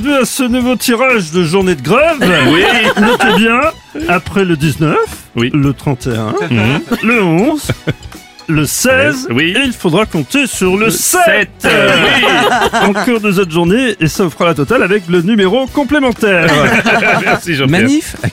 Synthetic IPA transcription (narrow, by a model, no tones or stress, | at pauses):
vyasənuvot̪ʰiʁaʒd̪əʒuʁned̪əɡʁɛvwinũt̪ebjɛ̃ | apχɛləd̪iznœf | wilət̪χɑ̃t̪eɛ̰̃ləɔ̃z | ləsɛzwieilfod̪ʁakɔ̃t̪esyʁləsɛt̪ | ɑ̃kɔʁd̪əzɔt̪ʒuʁneesaufχalat̪ɔt̪alavɛklənymeʁokɔ̃plemɑ̃t̪ɛʁmɛsiʒɑ̃mɛif